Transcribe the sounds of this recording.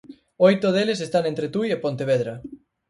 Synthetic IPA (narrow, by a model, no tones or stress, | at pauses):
ojt̪oðeles̬est̪anẽnt̪ɾet̪ujepont̪eβ̞eðɾa